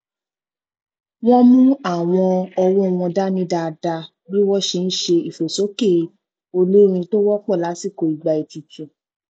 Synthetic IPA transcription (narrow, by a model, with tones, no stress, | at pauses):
wɔ̃˦mũ˦a˦˨w̃ɔ̃˧ɔ˧wɔ˦˧˨wɔ̃˧da˦nĩ˦da˧da˧ | bi˦wɔ̃˦ʃe˧n̩˦ʃe˧i˨fo˨so˨˦ke˦˨˦ | o˧le˦ɾ̃ĩ˧to˦wɔ˦k͡pɔ˦˨la˨˦si˦˨ko˧i˨ɡ͡ba˧i˧ti˧tĩ˨